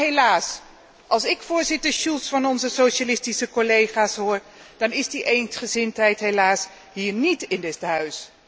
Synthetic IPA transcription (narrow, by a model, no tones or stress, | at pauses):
ɦejlaːs | ʔɑlˠsɪkfʊːɹzɪtəɹʃulˠsfɑnɔnzəsowʃalɪstisəkɔlejχaːsɦʊːɹ | d̥ɑnɪzdiʔejnsχəzɪntɦɛjtɦejlaːs | ɦiːɹnitɪndɪtɦœɥs